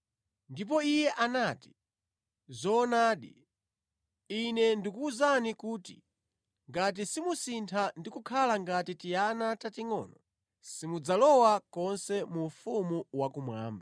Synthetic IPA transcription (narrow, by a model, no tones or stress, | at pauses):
ndip̬ɔijɛʔanati̥ | zɔːnaːɗi | inɛndikuːzanikuːtḭ | ŋɡat̬isimusintʰandikukʰalaŋɡatitijanatatiŋɔ̰ːnɔ | simud͡zalɔwakɔnsɛmufumuwakumwa̰ːmba